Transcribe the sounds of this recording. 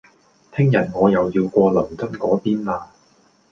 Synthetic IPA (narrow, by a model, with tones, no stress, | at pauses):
t̪ʰɪ˥ŋjɐ˨˩nŋɔː˨˧jɐ˨˩wjiː˧wkʷɔː˧lɐ˨˩mt͡sɐ˥t̚kɔː˨˥piː˥nlaː˧